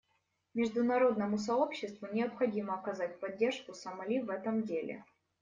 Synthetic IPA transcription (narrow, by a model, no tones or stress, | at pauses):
mʲɪʐd̪ʊnɐɾo̞d̪nəmʊsɐo̞pɕːɪst̪vʊnʲɪɐpxɐdʲiməɐkɐzatʲpɐdʲːe̞rʂkʊsɐmɐlʲivɛt̪əmdʲelʲɪ̰